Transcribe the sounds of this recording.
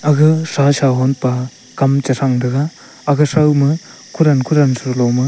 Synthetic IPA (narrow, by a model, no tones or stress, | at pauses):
aɡɯsasaɦɔnpa | kamt͡ʃɐsʰaŋdɐɡaː | ɡɯsawmɯ | kʰuɾankʰuɾansɯɾlɔwmɯ